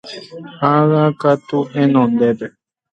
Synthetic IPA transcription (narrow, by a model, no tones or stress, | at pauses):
haɣakat̪uhẽnõnd̪epe